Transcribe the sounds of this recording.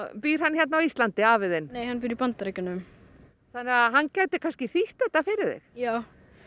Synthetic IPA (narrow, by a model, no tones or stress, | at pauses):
piːɾ̥hançjɛt̪nawist̪lant̪ɪaːvɪðɪnneːjhanːpiːɾipant̪aɾecɪnːʏm | θanːɪaɦanːcaɥt̪ɪkʰanscɪθiht̪ɛht̪ːafɪɾɪðɪ̰xjaːw